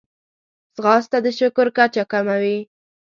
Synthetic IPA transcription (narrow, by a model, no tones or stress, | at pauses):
zɣɑst̪ad̪əʃʊkʊɾkat͡ʃakamawi